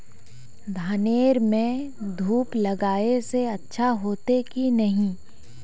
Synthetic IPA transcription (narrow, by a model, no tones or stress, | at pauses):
d̪ʱaːneːɾmẽd̪ʱuːplɐɡaːeseɐtːʃʰaɦoːt̪ekinɐɦĩ